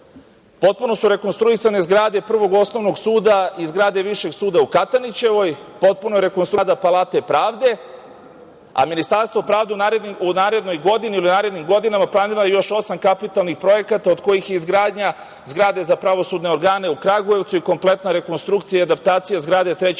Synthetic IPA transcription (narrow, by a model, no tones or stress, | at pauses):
po̞t̪̚puno̞suɾe̞ko̞nst̪ɾuisanezɡɾaːd̪e̞pr̩ʋo̞ɡo̞sno̞ʋno̞ɡsuːd̪aizɡɾaːd̪e̞ʋiʃe̞ɡsuːd̪aukat̪anit͡ɕe̞ʋo̞jpo̞t̪̚punoeɾe̞konst̪ɾad̪apalˠaːt̪epɾaːʋd̪e̞ | a̰minist̪aɾst̪vo̞pɾaːʋd̪eunaɾed̪niunaːɾe̞d̪no̞jɡo̞d̪iniilinaːɾe̞d̪nimɡo̞d̪inamaplˠaniɾlajejo̞ʃo̞samkapit̪alˠnixpɾo̞je̞kat̪aod̪ko̞jixjeizɡɾaːd̪ɲa | zɡɾaːd̪e̞zapɾaʋo̞sud̪ne̞o̞ɾɡaːne̞ukɾaɡuje̞ʋt̪suiko̞mple̞t̪naɾe̞ko̞nst̪ɾukt̪sijaiad̪ap̚t̪aːt̪sijazɡɾaːd̪e̞t̪ɾe